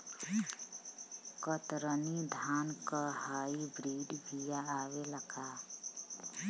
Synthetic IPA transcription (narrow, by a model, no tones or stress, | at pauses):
kət̪ɾənid̪ʱaːnkahaːibɾiːɖɡijaaːweləkʰa